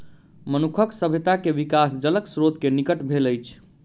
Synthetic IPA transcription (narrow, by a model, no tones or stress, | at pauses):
mənukʰəksəbʱet̪akeʋikasd͡ʒələksɾot̪kenikəʈbʱeləjt͡ʃʰ